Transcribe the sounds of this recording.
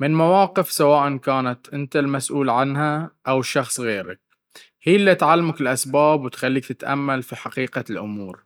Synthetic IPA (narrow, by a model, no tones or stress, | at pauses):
mɪnmawaːqɪfsawaːʔankaːnat̪ʔɪnt̪almasʔuːlʕanhaʔawʃːɑxsˤɣeːɾa̰k̚ | hiːlːit̪ʕalːamakɪlʔasbaːbwɪt̪xalːiːk̚t̪ɪt̪ʔa̰mːalfiħaqiːqalʔʊ̰muːɾ